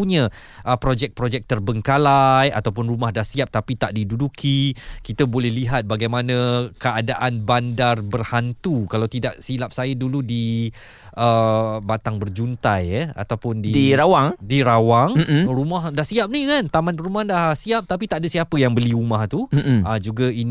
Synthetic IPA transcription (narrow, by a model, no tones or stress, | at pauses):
uɲə̃ | ʔəpɾod͡ʒɛk̚pɾod͡ʒɛk̚t̪ərbəŋkalaja̰t̪awp̬ʊnrumahdahsiap̚t̪apit̪aʔdidudukʰikit̪əbolɛhliɦat̪̚baɡajmanə̃kəadaʔanbandarbərhant̪ukalawt̪idaʔsilap̚sajəduludi | ʔəbat̪aŋbərd͡ʒunt̪ajəa̰t̪awpʊndidiɾawaŋdiɾawaŋrumahdahsiap̚nikant̪amanpəɾumahdahsiap̚t̪apit̪aʔadəsiapəjaŋbəliumaht̪uəd͡ʒuɡain